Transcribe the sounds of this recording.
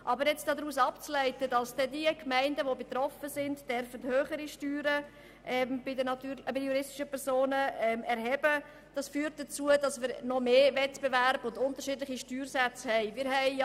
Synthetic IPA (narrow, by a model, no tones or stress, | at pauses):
ʔɑbəɾjɛt͡sd̥ɑːd̪ɾuːsɑpt͡slɛɪtəd̥ɑsd̥ɛdiəkmɛɪndəʋobet̪ɾɔfəsɪndd̥œɾfəthøːχəɾiʃtyːɾə | ʔɛmbɪdəntyːbɪdəjuɾɪstiʃəpɛɾsoːnəɛmɛɾɦɛb̥ə | d̥ɑsfyːɾt̚dət͡suədɑsmɪːɾnɔmeːvɛtb̥evæɾb̥ʊndʊntəɾʃidlɪχiʃtyːrsɛt͡shɛɪmɪːɾɦɛɪ